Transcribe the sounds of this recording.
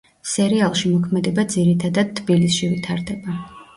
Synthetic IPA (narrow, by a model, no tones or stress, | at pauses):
sɛɾialˠʃimɔkʰmɛd̪ɛbad̪ziɾit̪ʰad̪ad̪̚t̪ʰbilisʃivit̪ʰaɾd̪ɛba